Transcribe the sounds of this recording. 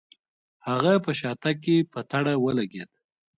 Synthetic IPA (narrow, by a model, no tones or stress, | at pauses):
haɣapəʃɑt̪akːepət̪aɽawəlaɡed̪